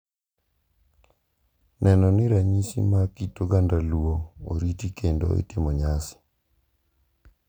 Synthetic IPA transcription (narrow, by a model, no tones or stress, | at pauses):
nʔɛnɔnɪɾaɲisḭmakitoɡandaluooɾitikʰendo̰ḭtɪmɔɲasɪ̥